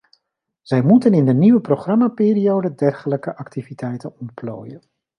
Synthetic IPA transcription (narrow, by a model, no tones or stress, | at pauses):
z̥ɛjmutənɪndəniʋəproχrɑmaːpɪːɾiowdədɛrχələkəʔɑktivitʰɛjtənɔntplo̰ːjən